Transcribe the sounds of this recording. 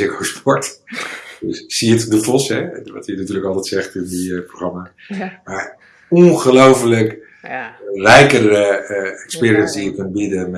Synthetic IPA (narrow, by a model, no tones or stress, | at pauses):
ɪkowspɔɹt | dəssiətdəfɔsɦɛʋɑ̰tənatyːɹləkɑlˠtɛjtsɛχtɪndiproχrɑmaː | maːɹ | ɔnχəlowfələk | rɛjkərəɛkspɪːɾiənzdijəkɵntbidən